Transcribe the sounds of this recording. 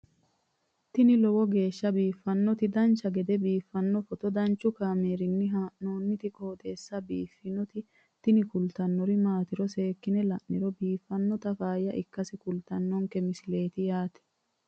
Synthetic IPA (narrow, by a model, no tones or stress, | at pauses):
t̪ɪnɪlɔwɔɡe̞ːʃːɐbiːfːɐnːɔt̪ɪd̪ɐnt͡ʃːɐɡɛd̪ɛbiːfːɐnːɔfɔt̪ɔd̪ɐnt͡ʃːʊkaːme̞ːɾɪnːɪɦaːʔnoːnːɪt̪ɪkʼoːd̪e̞ːsːɐbiːfːɪnɔt̪ɪ | t̪ɪnɪkʊlt̪ɐnːɔɾɪmaːt̪ɪɾɔse̞ːkːɪnɛlɐʔnɪɾɔbiːfːɐnːɔt̪ɐfaːjɐʔɪkːɐsɪkʊlt̪ɐnːɔŋkɛmɪsɪle̞ːt̪ɪjaːt̪ɛ̥